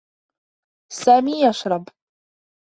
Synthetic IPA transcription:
saːmiːjaʃɾˤɑb

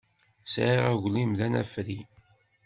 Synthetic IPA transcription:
sʕiʁæʝlimðænæ̰fɾi

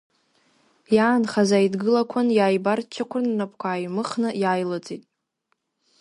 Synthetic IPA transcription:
jaːnχazaidɡɨlakʷʰanjaːjbart͡ʃʰakʷʰʊnːapʰʼkʷʰaːjmɨχnɨjaːjlot͡sʼitʼ

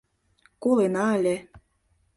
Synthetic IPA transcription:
kolenɑə̆lʲĕ

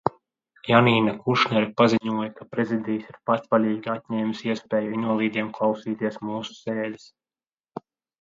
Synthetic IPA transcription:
janiːnakuʃnɛɾipaziɲuɔjɐkapɾezid̪ijsiɾpat̪valʲiːɡʲiat̪̚ʲɲɛːmʲisiɛspʲɛːjuinolˠiːd̪iɛmklˠawsiːt̪iɛsmuːsu̥sɛːlʲis

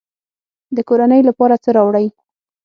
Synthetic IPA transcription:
d̪əkoɾanəjlapɑɾat͡səɾɑwɽəj

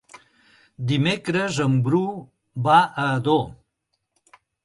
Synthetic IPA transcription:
d̪imekɾəzəmbɾu | βaʔəðo

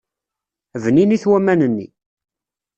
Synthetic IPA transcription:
vniniθwæmænənːḭ

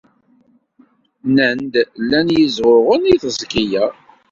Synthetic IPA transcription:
nənd̪lːænjəzʁʊɾʁʊniθzɡijæ

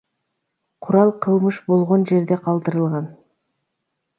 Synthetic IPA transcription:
qʰʊɾɑlˠqʰɯlˠmɯʃbo̞lˠʁo̞nd͡ʒe̞ɾd̪e̞qʰɑlˠd̪ɯɾɯlˠʁɑn

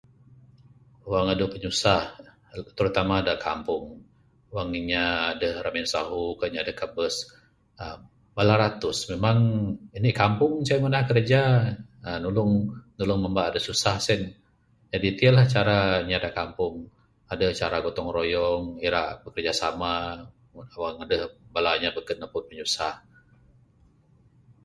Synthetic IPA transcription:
waŋadəpəɲusah | t̪əɾut̪amaːdakʰa̰mpʊŋ | waŋiɲaːdəhramɛnsaɦukəɲadəhkabəs | əː | alaɾat̪ʊsmemaŋinikampʊŋsaamanahkərd͡ʒaənulʊŋnulʊŋməmbaʔadəsusahsɛn | d͡ʒadit̪iəlaht͡ʃaɾaɲadakampʊŋ | adəht͡ʃaɾaɡot̪ɔŋrojɔŋiɾaʔbəkərd͡ʒasama | awaŋadəhbalaɲabəkət̪nəpʊt̪̚pəɲusah

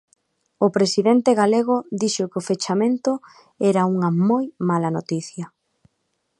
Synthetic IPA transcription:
ʊpɾesiðent̪eɣaleɣ̞ʊd̪iʃʊkofet͡ʃamẽnt̪ʊ | ɛɾɐuŋɐmojmalɐnot̪iθjɐ

